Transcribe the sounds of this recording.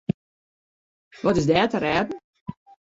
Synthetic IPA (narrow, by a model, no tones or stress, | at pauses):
ʋɔtɪsdɛːtəɾɛːdn̩